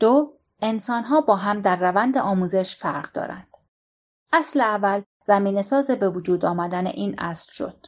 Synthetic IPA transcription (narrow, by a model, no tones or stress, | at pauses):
d̪̥o | e̞nsɒːnɦɒːbɒːɦæmd̪æɾːævænd̪e̞ʔɒːmuːze̞ʃfæɾʁd̪ɒ̰ːɾæ̰nd̪̥ | ʔæsleævːæl | z̥æmiːne̞sɒːzebe̞vod͡ʒuːd̪ɒːmæd̪ænḛʔiːnʔæ̰slʃo̞̰d̪̥